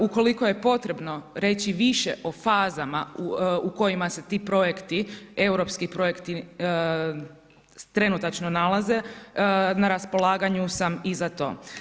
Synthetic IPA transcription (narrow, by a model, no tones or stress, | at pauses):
uko̞liko̞je̞po̞t̪ɾe̞bno̞ɾe̞ːt͡ɕiʋiʃḛʔo̞faːzama̰uko̞jimase̞t̪iːpɾo̞jekt̪ie̞wɾo̞pskipɾo̞jekt̪i | t̪ɾe̞nut̪at͡ʃnonalˠaze̞ | naɾaspo̞lˠaːɡaɲusamizat̪o̞̰ː